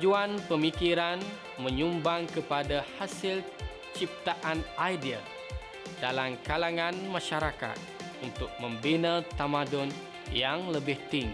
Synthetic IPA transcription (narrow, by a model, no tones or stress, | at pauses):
d͡ʒuanpəmikiɾan | məɲumbaŋkəpadahasɪl | t͡ʃip̚t̪aʔanajdia̰ | dalamkalaŋanmaʃaɾaka̰t̪̚ | unt̪ʊk̚məmbinat̪amadɔn | jaŋləbɪht̪iŋ